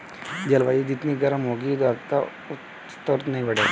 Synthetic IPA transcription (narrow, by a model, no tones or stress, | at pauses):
d͡ʒɐlʋaːid͡ʒɪt̪niɡɐɾəmɦoːɡid̪at̪a | ʊ | t̪ɔɾt̪nɐɦĩbɐɽe